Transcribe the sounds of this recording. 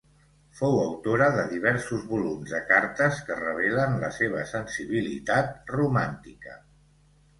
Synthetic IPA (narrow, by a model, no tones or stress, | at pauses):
fowəwt̪oɾəðəðiβ̞ɛɾsuzβulumzðəkaɾt̪əskərəβ̞ɛlənləseβ̞əsənsiβilḭt̪at̪̚rumant̪ikə̰